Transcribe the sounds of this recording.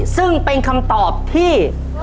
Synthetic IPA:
sɯ˥˩ŋpe˧nkʰa˧mt̪ɔː˨˩p̚t̪ʰiː˥˩

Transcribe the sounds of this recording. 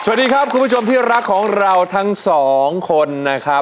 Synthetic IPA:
sa˨˩˨t̚diː˧kʰɾa˦˥p̚kʰu˧nbu˥˩t͡ɕʰo˧mt̪ʰiː˥˩ɾa˦˥kʰːɔː˩˦ŋɾa˧wt̪ʰa˦˥ŋsɔː˩˦ŋkʰo˧nːa˦˥kʰɾa˦˥p̚

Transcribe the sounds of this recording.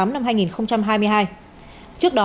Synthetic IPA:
a˨˦mna˧mɦaː˧jŋi˨˩nxə˧wŋ͡mt͡ɕa˧mɦaː˧jmɨ˧əjɦaː˧j | t͡ɕɨ˦˥ək̚ɗɔ˨˦

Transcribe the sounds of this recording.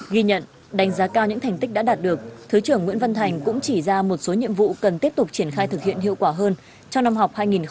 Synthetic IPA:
ɣi˧ɲə̰˧˨n | ɗa˨˦ŋ̟zaː˨˦kaː˧wɲɨ̰˧˥ŋt̪ʰɛ˨˩ŋ̟t̪i˦˥k̚ɗa̰ː˧˥ɗaː˨˩t̚ɗɨ˨˩ək̚t̪ʰɨ˨˦t͡ɕɨ˧˩əŋwḭ˧˥ənvə˧nt̪ʰa˨˩jŋ̟kʊ̰˧˥ŋ͡mt͡ɕi˧˩zaː˧mo˨˩t̚so˨˦ɲḭ˧˨əmvṵ˧˨kə˨˩nt̪i˦˥əp̚t̪ʊ˨˩k͡p̚t͡ɕi˧˩ənxaː˧jt̪ʰɨ˨˩k̚hḭ˧˨ənɦḭ˧˨əwkwaː˧˩ɦəː˧n | t͡ɕɔ˧ŋ͡mna˧mɦa˨˩wk͡p̚haː˧jŋi˨˩n

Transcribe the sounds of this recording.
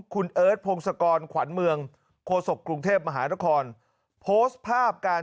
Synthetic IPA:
kʰu˧nʔɤː˦˥t̪̚pʰoː˧ŋsa˧kɔː˧nkʰwa˩˦nmɯ˧əŋ | kʰoː˧so˨˩k̚ːɾu˧ŋt̪ʰeː˥˩p̚ma˧ɦaː˩˦na˦˥kʰɔː˧n | pʰoː˦˥st̪̚pʰaː˥˩p̚kaː˧

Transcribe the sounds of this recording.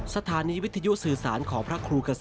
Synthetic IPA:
sa˧t̪ʰaː˩˦niː˨˦˥wi˦˥t̪ʰːa˧ju˦˥ʔsɯː˨˩saː˩˦nkʰɔː˩˦ŋpʰɾa˦˥kʰɾuː˧ka˧s

